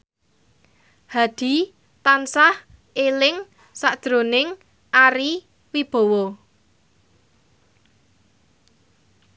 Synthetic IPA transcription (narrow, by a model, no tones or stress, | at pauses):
had̪̥i̤ | t̪ansah | elɪŋ | saʔd̥d̪̥ɾo̤nɪŋ | aɾi | wib̥o̤wɔ